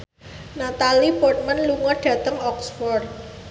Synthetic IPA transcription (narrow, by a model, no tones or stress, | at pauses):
nat̪alipɔrt̪̚mənluŋɔrɖ̥ä̤t̪əŋɔksfɔr